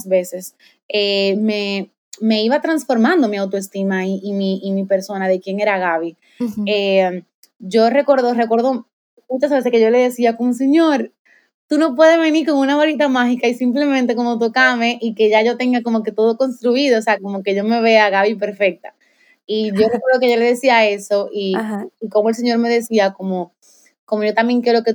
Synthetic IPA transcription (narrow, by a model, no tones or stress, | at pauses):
sβe̞se̞s | eme̞ | me̞iβat̪ɾaŋsfo̞ɾmãnd̪o̞miawt̪oe̞st̪imaiimiːmipe̞ɾso̞naðe̞kje̞ŋe̞ɾaɣaβi | e | ʝo̞re̞ko̞ɾðo̞rekwe̞ɾðo̞ | mut͡ʃazβe̞s̬eskeʝo̞le̞ðe̞siako̞mos̬e̞ɲo̞ɾ | t̪uno̞p̬we̞ðezβe̞niɾko̞ŋunaβoɾit̪amaxikaisimple̞mẽ̞nt̪e̞komo̞t̪okame̞ʔike̞ʝaʝo̞t̪e̞ŋɡako̞mo̞ke̞t̪o̞ðo̞ko̞nst̪ɾuiðoːseako̞mo̞ke̞ʝo̞me̞βe̞aɣaβip̬e̞ɾfe̞k̚t̪ḁ | iʝo̞rekweɾðoke̞ʝole̞ðesiae̞so̞ʔiɦːkomo̞else̞ɲo̞ɾme̞ðe̞siako̞mo̞ | ko̞mo̞ʝo̞t̪ambje̞ŋkjeɾo̞ke